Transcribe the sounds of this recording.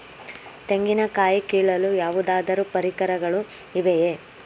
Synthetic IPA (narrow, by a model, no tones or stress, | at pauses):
t̪eŋɡinɐkaːjikiːɭɐlujaːʋud̪aːd̪ɐɾupɐɾikɐɾɐɡɐɭu | iʋeje